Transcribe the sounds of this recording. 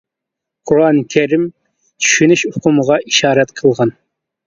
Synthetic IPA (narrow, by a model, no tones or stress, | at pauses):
qʰuɾɑnkʲʰæɾim | t̪ʰy̥ʃynyʃʊqʰʊməʁɑʔiʃɑːɾɛt̪qʰəlˠʁɑn